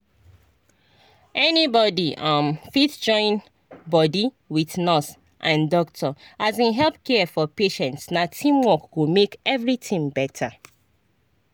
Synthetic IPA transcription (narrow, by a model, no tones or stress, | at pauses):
ɛnibɔdiʔãmfitd͡ʒɔ̃ɪ̃n | bɔdi | wiθnɔs | ʔãndɔktʰɔazĩnɦɛlp̚kɛfɔpeʃɛ̃ntsnatʰĩmwɔkwumekɛvɹitĩŋbɛtʰa